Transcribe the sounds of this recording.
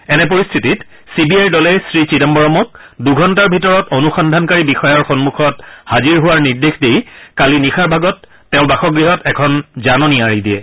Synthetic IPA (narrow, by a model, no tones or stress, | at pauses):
ɛnɛpoɹist̪ʰitit | sibiajdɔlɛjsɹit͡ɕitɛmbɔɹɔmɔk̚duɡʱɔntaɹbʱitɔɹɔtonuxɔndʱankaɹibixɔjɔɹxɔnmuxʰɔthaziɹɦʊwaɹniɹdexdejkalinixaɹbʱaɡɔtː | ɛʊ̃baxɔɡɹiɦɔtɛkʰɔnzanɔniaɹidijɛ̰